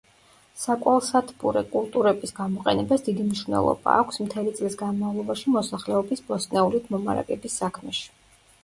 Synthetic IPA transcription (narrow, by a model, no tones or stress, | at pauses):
sakʼwalˠsat̪ʰpʼuɾɛkʼulˠt̪ʼuɾɛbisɡamɔqʼɛnɛbasd̪id̪imniʃvnɛ̰lˠɔ̰baːkʷʰsmt̪ʰɛlit̪sʼlisɡanmavlˠɔbaʃimɔsaχlɛɔbisbɔsnɛulid̪ʰmɔma̰ɾa̰ɡʼɛbisːakʰmɛʃi̥